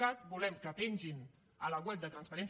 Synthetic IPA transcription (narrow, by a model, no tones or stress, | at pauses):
at̪̚bulɛmkəpenʲʒin | ələɣwɛp̚d̪ət̪ɾənspəɾɛns